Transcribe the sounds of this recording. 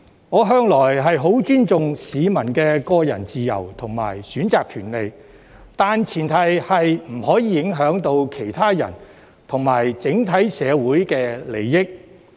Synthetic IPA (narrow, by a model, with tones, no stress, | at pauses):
ŋɔː˨˧ɦœː˧ŋlɔː˨˩jɦɐ˨jɦo˨˥wt͡ʃyː˥nt͡sʊ˨ŋsiː˨˧mɐ˨˩nkɛː˧kɔː˧jɐ̰˨˩nt͡siː˨jɐ̰˨˩wt̪ʰʊ˨˩ŋma̰ː˨˩jsyː˨˥nt͡saː˨kʰyː˨˩nle˨˧j | t̪aː˨nt͡sʰiː˨˩nt̪ʰɐ˨˧jhɐ˨jm̩˨˩hɔː˨˥jiː˨˧jɪ˨˥ŋɦœː˨˥ŋt̪o˧wkʰe˨˩jt̪ʰaː˥jɐ̰˨˩n | t̪ʰʊ˨˩ŋmaː˨˩jt͡sɪ˨˥ŋt̪ʰɐ˨˥jsɛː˨˧wuː˨˥jkɛː˧le˨˩jːɪ˥k̚